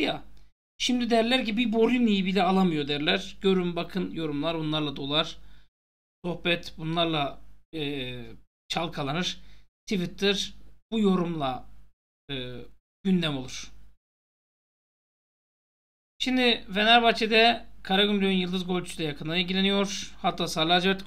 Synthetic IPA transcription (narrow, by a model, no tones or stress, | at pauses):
ja | ʃimd̪id̪ɛɾlʲæɾcibibo̞ɾinijibilʲɛalˠamɯjo̞d̪æɾlʲæɾ̥ɟ̥ø̞ɾymbakʰɯnjo̞ɾumlˠaɾbunlˠaɾlˠad̪o̞lˠaɾ̥ | so̞xbɛt̪ʰbunlˠaɾlˠaː | t͡ʃʰalˠkʰalˠanɯɾ̥t̪ʰivit̪ʰːiɾb̥ujo̞ɾumlˠa | ɯː | ɟynd̪ɛmo̞lˠuɾ̥ | ʃimd̪ivenaɾbat͡ʃʰid̪ɛkʰaɾaɡynd̪øynjɯlˠd̪ɯzɡo̞lʲt̪ʰy̥slʲɛjakʰɯnd̪anilɟilʲenijo̞ɾ̥hat̪ʰːaːsaːɾlʲˠaad͡ʒvɛt̪